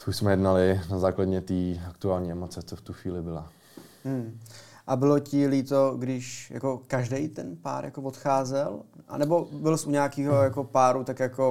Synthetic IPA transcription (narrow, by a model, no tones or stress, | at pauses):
t̪ouʃsmɛjɛdnalɪnazaːkladɲɛt̪iːakt̪uaːlɲiːɛmot͡sɛt͡soft̪uxʋiːlɪbɪla | mm̩ʔabɪlo̞cɪliːt̪oɡdɪʃja̰ko̞kaʒdɛjt̪ɛnpa̰ːɾja̰kovot̪xaːzɛlʔa̰nɛbo̞bɪlsʔuɲaːkiːɦojako̞paːɾut̪akjako̞